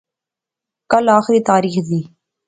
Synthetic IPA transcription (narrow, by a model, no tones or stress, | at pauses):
kɐlaːxɾiːt̪aːɾiːxziː